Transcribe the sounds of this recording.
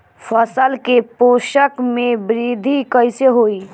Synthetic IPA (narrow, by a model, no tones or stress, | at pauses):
pʰəsəlkepoʃəkmebɾid̪ʱikəjseɦoi